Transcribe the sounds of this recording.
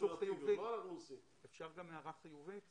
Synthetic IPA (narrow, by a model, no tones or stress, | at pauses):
uχijuiausi | efʃaʁɡameaʁaχijuvit